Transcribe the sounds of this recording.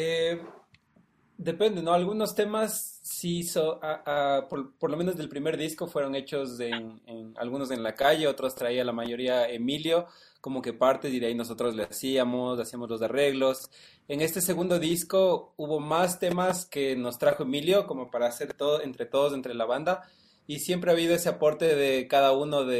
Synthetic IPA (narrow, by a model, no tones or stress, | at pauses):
e | d̪e̞pe̞nd̪e̞no̞alɣuno̞st̪e̞masːisoaapopoɾlome̞no̞zðe̞lpɾime̞ɾðisko̞fwe̞ɾo̞ŋe̞t͡ʃo̞senena̰lɣuno̞s̬e̞nlakaʝe̞ot̪ɾo̞st̪ɾaialamaʝo̞ɾiaemiljo̞ | ko̞mo̞ke̞paɾt̪e̞siðeaino̞s̬o̞t̪ɾo̞zleasiamo̞sasiamo̞zlo̞sare̞ɣlos | eŋe̞st̪e̞se̞ɣũnd̪o̞ðisko̞uβo̞mast̪e̞maske̞no̞st̪ɾaxo̞e̞miljo̞ko̞mo̞paɾaːse̞ɾt̪oðoe̞nt̪ɾe̞t̪o̞ðozent̪ɾelaβand̪a | isje̞mp̬ɾe̞aβ̞iðo̞es̬e̞apo̞ɾt̪e̞ðe̞kaðauno̞ðe